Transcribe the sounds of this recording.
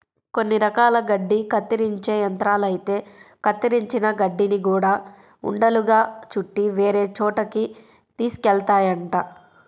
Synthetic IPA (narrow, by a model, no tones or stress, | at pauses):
konːiɾɐkaːlɐɡɐɖːikɐt̪ːiɾiɲt͡ʃe̞ːjɐnt̪ɾaːlɐjit̪e̞ːkɐt̪ːiɾiɲt͡ʃinɐɡɐɖːiniɡuːɽaː | ṵɳɖɐluɡaːt͡ʃuʈːiʋeːɾe̞ːt͡ʃɔːʈɐki | t̪iːskɛlt̪aːjɐɳʈaː